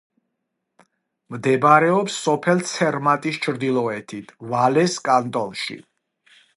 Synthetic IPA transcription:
md̪ɛbɾɛɔpsːɔpʰɛlt̪sʰɛɾmat̪ʼist͡ʃʰɾd̪ilˠɔɛt̪ʰit̪ʰvalɛskʼant̪ʼɔlˠʃḭ

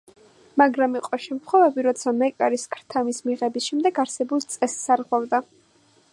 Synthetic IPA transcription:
maɡɾamiqʼɔʃɛmt̪ʰχwɔvɛbiɾɔt̪sʰamɛkʼaɾiskʰɾt̪ʰamismiʁɛbisʃɛmd̪ɛɡaɾsɛbulˠt̪sʼɛsːaɾʁwavd̪a

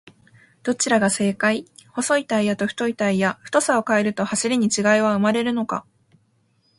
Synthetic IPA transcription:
d̪̥o̞t͡ɕiɾaɡase̞ːkaiho̞so̞it̪aijat̪o̞ɸɯ̥t̪o̞it̪aijaɸɯ̥t̪o̞sao̞kae̞ɾɯ̟t̪o̞haɕiɾʲiɲ̟it͡ɕiɡaiβ̞aɯ̟maɾe̞ɾɯ̟no̞ka̰

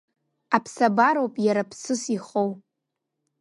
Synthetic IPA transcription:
apʰsabaɾowpʼjaɾapʰsɨsiχow

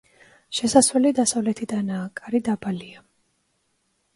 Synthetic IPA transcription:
ʃɛsasvɛlid̪asavlɛt̪ʰid̪anaːkʼaɾid̪abalia

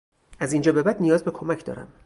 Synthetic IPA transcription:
æzind͡ʒɒːbe̞bæd̪nijɒːzbe̞kʰomæcʰd̪ɒ̰ːɾæ̰m

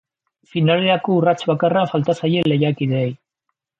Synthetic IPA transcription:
finale̞ɾako̞urat͡ʃβakarafalt̪asaje̞le̞jakiðeej

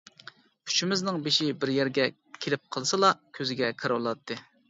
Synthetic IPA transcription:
kʰy̥t͡ʃʰimɪznɨŋbeʃibɪɾjæɾɡʲɛ | kʲʰelɪp̚qʰəlˠsɨlˠɑkʲʰøzɪɡʲɛkʰɨɾwɑlˠɑt̪ʰːɨ

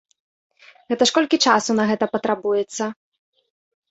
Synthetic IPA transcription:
ɣɛt̪ɐʂkɔlʲkʲit͡ʂasunɐɣɛt̪ɐpɐt̪ɾabujɛt̪sːɐ

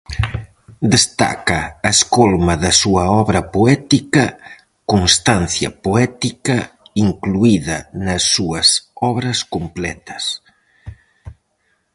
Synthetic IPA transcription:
d̪est̪a̰kɐːeskolmɐðɐsuɐɔβɾɐpoɛt̪ikɐ | konst̪anθjɐ̰poɛt̪ikɐiŋkluiðɐnɐsːuɐsɔβɾɐskomplɛt̪ɐ̥s

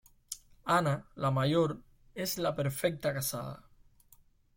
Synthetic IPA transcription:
analamajoɾ | ezlapəɾfɛk̚t̪akasa̰ð̞a̰

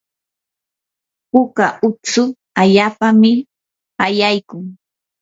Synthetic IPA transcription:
pʊkaʔʊt͡sʊ | aʎaːpamɪ | ajajkʊŋ

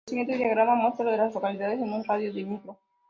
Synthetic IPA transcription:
siŋet̪eðijaɣɾamamost̪ɾoðelazlokaliðaðesenũnraðjoðemikɾo

